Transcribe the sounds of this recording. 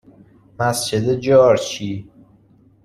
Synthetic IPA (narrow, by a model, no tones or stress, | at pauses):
mæsd͡ʒed̪ed͡ʒɒːɾt͡ʃʰiː